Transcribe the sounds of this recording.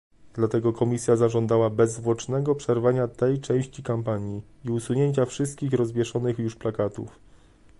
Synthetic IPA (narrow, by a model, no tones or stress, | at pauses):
d̪lat̪ɛɡɔkɔmʲisʲjazaʐɔnd̪awabɛzːvwɔt͡ʂnɛɡɔpʂɛɾvaɲat̪ɛjt͡ʂɛ̃w̃ɕt͡ɕikampaɲji | iusuɲeɲt͡ɕafʂɘst̪̚kʲixɾɔzbʲjɛʂɔnɘxjuʂplakat̪ṵf